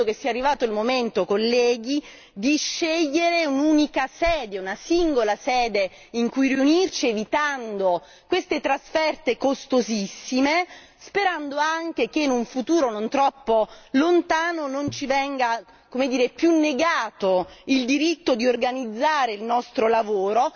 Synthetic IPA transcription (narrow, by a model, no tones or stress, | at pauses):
okesːiːarːivaːt̪oilmoment̪okolːɛːɡi | d̪iʃːeʎːeɾeunuːnikasɛːd̪eunasiŋɡolasɛːd̪e | iŋkujriunirt͡ʃievit̪and̪o | kwest̪et̪ɾasfɛrt̪ekost̪ozisːime | speɾand̪oaŋk̟ek̟enuɱfut̪uːɾonont̪ɾɔpːolont̪aːnonont͡ʃivɛŋɡa | komed̪iːɾepjunːeɡaːt̪oild̪iɾit̪ːod̪iorɡanid̪zːaːɾeilnɔst̪ɾolavoːɾo